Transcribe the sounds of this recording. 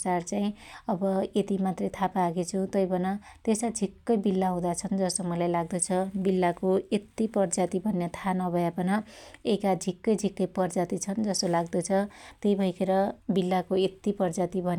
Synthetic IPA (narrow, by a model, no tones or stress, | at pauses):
t͡sart͡saĩʌbʌet̪imat̪rʌjt̪ʰapaːɡet͡sʰut̪ʌjbʱʌnʌ | t̪esad͡zʱikːʌjbilːaɦũd̪at͡sʰʌnd͡zʌsomʌlajlaɡ̚d̪ʌt͡sʰʌbilːakoet̪ːipʌrd͡zat̪ibʱʌnjat̪ʰanʌbʱʌjapʌnʌekad͡zʱikːʌjd͡zʱikːʌjpʌrd͡zat̪it͡sʰʌnd͡zʌsolaɡd̪ʌt͡sʰʌt̪ʌjbʱʌjkʰeɾʌbilːakoet̪ipʌrd͡zat̪ibʱʌn